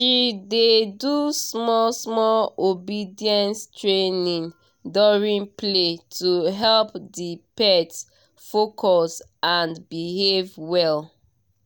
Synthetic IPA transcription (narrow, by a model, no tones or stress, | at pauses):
ʃidedusmɔlsmɔlobidiɛ̃nstɹenĩŋ | dɔɹĩnpletʰuɦɛlpdipɛt | fokʰɔs | ãnbiɦevwɛl